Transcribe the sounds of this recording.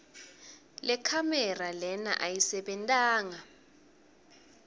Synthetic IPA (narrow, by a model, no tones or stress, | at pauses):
lɛkʰamɛralɛna̰ʔajisɛɓɛntʼaːŋa